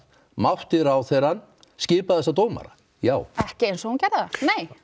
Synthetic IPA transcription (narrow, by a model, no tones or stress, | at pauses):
mawht̪ɪɾawθɛɾanː | scɪːpaðɛsat̪̬oːwma̰ɾa̰ | jaːwɛhcɪejnsɔhuncɛɾðanej